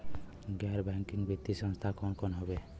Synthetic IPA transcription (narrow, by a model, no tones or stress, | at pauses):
ɡaɾbɛŋkiŋɡbʱit̪isə̃nst̪ʰakɔnkɔnɦobe